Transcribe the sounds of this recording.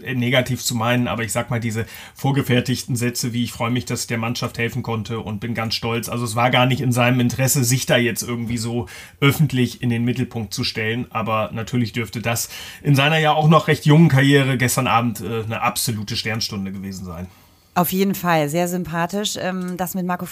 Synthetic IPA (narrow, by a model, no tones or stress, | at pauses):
neːɡatʰiːft͡sumaɪnəna̰ːbɐɪçz̥aːkmaːldiːzə | foːɐɡəfɛɐtɪçtn̩zɛt͡səviːɪçfʁ̥ɔʏəmɪçd̥asd̥eːɐmanʃafthɛlfn̩kʰɔntʰəʔʊ̰nt̚b̥ɪnɡant͡sʃtɔlt͡sʔa̰lzoɛs̬v̥aːɐɡaːɐnɪçtɪnzaɪnəmɪntəʁ̥ɛsəzɪçd̥aːjɛt͡stʔɪɐɡŋ̩tv̥iːzoː | ʔœfn̩tʰlɪçɪndeːnmɪtl̩pʰʊŋk̚t̚t͡suʃtɛlənʔaːbɐnatʰyːɐlɪçd̥ʏɐftədasʔɪnzaɪnɐjaːaʊxnɔχʁɛçtjʊŋənkʰaɐjeːʁ̞əɡɛstɐnʔa̰ːbm̩tʔɛːnəʔapz̥oluːtəʃtɛɐnʃtʊndəɡəveːzn̩zaɪn | ʔaʊfjeːdn̩falzeːɐzʏmpʰaːtɪʃʔɛmd̥asmɪt̚maɐkof